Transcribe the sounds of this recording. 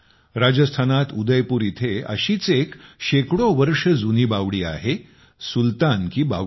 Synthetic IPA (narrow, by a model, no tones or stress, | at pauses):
ɾad͡ʑəst̪ʰanat̪ud̪əjpuːɾit̪ʰeə̰ɕiːt͡sekɕekɽoʋəɾʂəd͡zuniːbaʋɽiːa̰ɦe | sult̪ankiːba̰